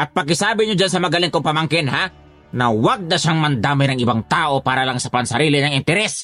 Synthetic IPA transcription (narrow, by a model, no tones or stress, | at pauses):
ʔɐt̪̚pɐɡ̚kɪsaːbɪɲod͡ʒansɐmɐɡɐlɪŋkoŋpɐmaŋkɪnha | nɐwaɡ̚nɐʃaŋmɐnd̪aːmɪnɐŋɪbaŋt̪aːʔo̞paːɾɐlaŋsɐpɐnsɐɾiːlɪnɐŋɪnt̪ɛɾɛs